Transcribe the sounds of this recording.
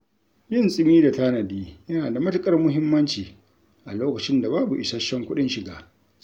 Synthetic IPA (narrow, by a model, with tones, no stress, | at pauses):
jɪ˦˨nsʼɪ˦miː˦da˨ta˦nɐ˨diː˦jɐ˦naː˨da˨mɐ˦tʊ˨kʼɐ˦rmʊ˦ɦɪ˦mːɐ˦nt͡ʃiː˨ | ʔa˨loː˦kɐ˨t͡ʃɪ˦nda˨baː˦bu˨ʔɪ˨sa˦ʃɛ˦ŋkʷʊ˦ɗɪ˦nʃɪ˨ɡaː˦